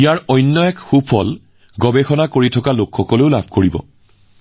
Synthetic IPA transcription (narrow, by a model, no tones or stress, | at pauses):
ijaɹɔjnːɔɛkxupʰɔ̰l | ɡɔbexɔnakoɹitʰɔkalokxɔkɔleʊlabʱkoɹibɔ̰